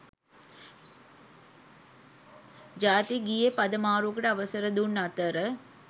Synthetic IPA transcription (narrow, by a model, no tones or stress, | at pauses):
d͡ʒaːt̪iɡijepɐd̪ɐmaːɾuːkɐʈəɐʋɐsəɾəd̪unːɐt̪əɾə